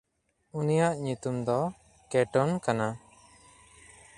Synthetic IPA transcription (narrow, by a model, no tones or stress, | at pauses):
unijaʔɲut̪umd̪ɔ | kɛʈɔnkana